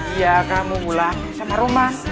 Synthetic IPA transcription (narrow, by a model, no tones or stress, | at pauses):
ijakamuɡulasamaɾuma